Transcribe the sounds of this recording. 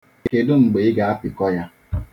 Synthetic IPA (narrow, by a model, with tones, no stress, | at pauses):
ke˨dʊ˦ŋ͡m̩˨ɡ͡be˨ɪ˦ɡa˨a˦pɪ˨kɔ˦ja˦